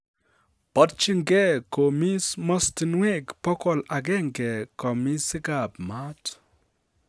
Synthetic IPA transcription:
pɔ˨˦t̚t͡ʃi˦ŋɡɛ˦ko˨mi˦smɔ˦sti˨nwe˦˨kpɔ˦kɔ˨la˨ɡɛ˦ŋɡɛ˨kɔ˨mi˦sɪ˦ɡa˨pma˦t

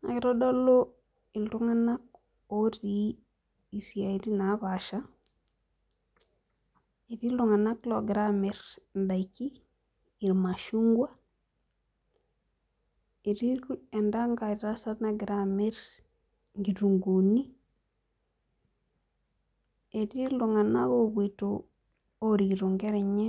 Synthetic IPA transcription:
na̰˨ɡɾɔ˦do˦lo˦ | i˨lɾu˦ŋa˦na˦k̚ | o˦ɾiː˦˨ | si˨a˨i˨di˦na˨˦βa˨ʃa˦ | i˨ɾi˦lu˨ŋa˨na˦klo˨ɡɾami˨ɾn˨da˨ikiː˦˨ | ɾma˨ʃu˦ŋɡwa˦ | e˨ɾi˦e˨nda˦ŋɡa˨i˨ɾa˦sa˦na˦ɡɾame˦ɾ | ŋɡi˨ɾu˨ŋɡu˨ni˦ | e˨di˦lu˨ŋa˨na̰˦βo˦βwe˨to | o˦ɾi˨ɡɾu˨ŋɡe˦ɾe˨ɲe˦

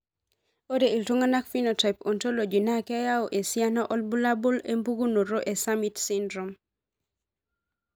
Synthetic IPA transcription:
o˦dei˨ltu˦ŋa˦na˦kfi˦nota˨jpo˨nto˦lo˨d͡ʒi˨na˦kɛ˦ja˦ɔ˨ʔe˨sia˦nɔʔɔ˦lbu˦la˦bo˦le˦mbu˦ɡu˦no˨ɾo˦ʔe˨sa˦mi˨tsindɾo˨m

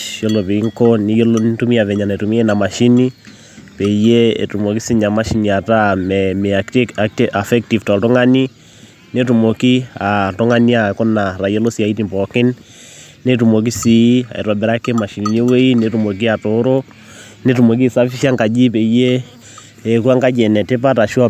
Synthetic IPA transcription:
ʃjo˦lo˨pe˨i˦ŋko˦ni˦jo˦lontu˦mi˦a˨βɛ˨ɲa˨na˨e˨tu˨mi˦ɛ˦na˨ma˨ʃi˦ni˦ | pɛ˨i˦je˦ḛ˨tu˨mo˨ki˦si˦ɲa˨ma˦ʃi˨˦ni˨a˨ta˦mɛmetta˨fɛ˦k̚ti˨fta˨tɔ˦ŋa˦ni˦ | ne˦tu˨mo˨ki˦a˨to˦ŋa˦ni˦a˨kɔ˦na˨ɾa˨jɛ˦lo˦sia˨i˦ti˦mpɔ˨kɪ˦nː | e˦tu˨mo˨k̬i˦si˨˦a̰˨ḛ˨ɾɔ˨bɛ˨ɾa˦ke˦ma˨ʃi˨ɲe˦we˦i˦netu˨mo˨k̬i˦a˨toɾo˦ | ne˦tu˨mo˨k̬i˦˨sa˦fi˦ʃa˦ŋɡa˨d͡ʒi˦pe˨i˦jeː˦˨ | kwa˦ŋɡa˦d͡ʒɛ˨nɛ˨te˦pa˦ta˨ʃu˦a˦

